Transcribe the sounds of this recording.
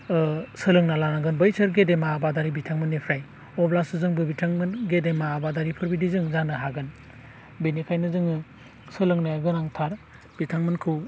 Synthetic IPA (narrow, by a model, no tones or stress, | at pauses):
sɯlɯŋnalanaɡɯnbɯjsɯɾɡedemaːbadaɾibitʰaŋmɯnːepʰɾaj | ɔbʰlasɯzɯŋbɯbitʰaŋmɯnɡedemaːbadaɾipʰɯɾbidizɯŋzanɯɦaɡɯn | benikʰajnɯzɯŋɯ | sɯlɯŋnaaɡɯnaŋtʰaɾ | b̥itʰaŋmɯnkʰɯw